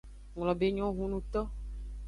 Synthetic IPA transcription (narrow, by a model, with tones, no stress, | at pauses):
ŋlɔ˨be˦ɲɔ̃˦ɦũ˦nũ˦t̪ɔ˦